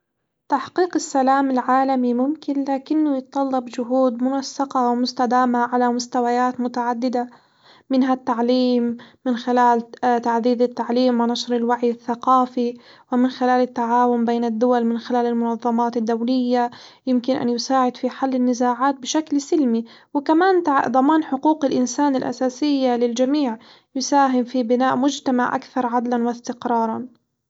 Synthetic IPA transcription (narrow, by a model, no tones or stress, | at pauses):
t̪aħqiːqɪsːalaːmɪlʕaːlamimʊmkɪnlaːkɪnːʊjɪt̪t̪ˤːɑlːɑbd͡ʒʊɦuːd̪mʊnasːɑqɑwɪmʊst̪ad̪aːmaʕalamʊst̪awajaːt̪mʊt̪aʕad̪ːɪd̪a | mɪnɦat̪ːaʕliːmːɪnxɪlaːlt̪aʕd̪iːd̪at̪ːaʕliːmwɪnɑʃɾɪlwaʕjɪθːaqɑːfiwɪmɪnxɪlaːlɪt̪ːaʕaːwʊmbeːnad̪ːʊwalmɪnxɪlaːlɪlmʊnɑðˤːɑmɑːt̪ɪd̪ːawlɪjːajɪmkɪnʔa̰njʊsaːʕɪd̪fiħalːɪnːɪzaːʕaːt̪̚bɪʃaklsɪlmi | wɪkamaːnt̪ad̪ˤɑmɑːnħʊquːqɪlʔɪnsaːnɪlʔa̰saːsɪjːalɪld͡ʒamiːʕ | jʊsaːɦɪmfibɪnaːʔmʊd͡ʒt̪amaʕʔa̰kθɑɾˤʕad̪lanwast̪ɪqɾˤɑːɾˤɑn